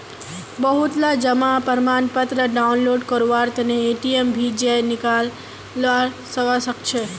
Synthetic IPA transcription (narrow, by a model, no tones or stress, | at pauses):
bəɦut̪lad͡ʒəmapəɾmanpət̪ɾəɖaunloɖkəɾʋaɾt̪əneːʈiembʱid͡ʒejnɪkal | ʋaɾ | səʋasəkt͡ʃʰe